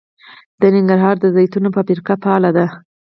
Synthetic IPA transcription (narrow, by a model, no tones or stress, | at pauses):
d̪̥ənɪŋɡaɾɦɑɾd̪əzajt̪unopəpiɾkapɑlad̪a